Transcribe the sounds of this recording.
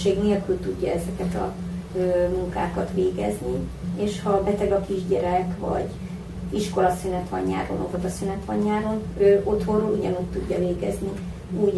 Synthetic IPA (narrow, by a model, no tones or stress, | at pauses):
eːɡneːlkylt̪uɟːɒɛzɛkɛt̪ɒ̰øːmuŋka̰ːkɒt̪ʋeːɡɛ̰znieʃhɒbɛt̪ɛɡɒkiʒɟɛɾɛkvɒ̰ɟ | iʃko̞lɒsynɛt̪hɒɲːa̰ːɾo̰novot̪ɒsynɛt̪hɒɲːaːɾonøːʔo̞t̪ho̞roluɟɒnuːcʲt̪uɟːɒveːɡɛzni | uː